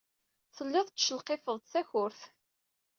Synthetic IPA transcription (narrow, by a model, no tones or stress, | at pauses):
θəlːæθt͡sːʃəlqefəðˤt̪θæçʊɾθ